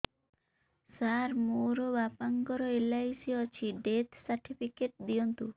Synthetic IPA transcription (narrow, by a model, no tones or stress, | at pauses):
saɾmoɾɔbapaŋɡɔɾɔelaisiɔt͡ʃʰiɖet̪saɾʈʰipʰikeʈ̚d̪ijɔnt̪u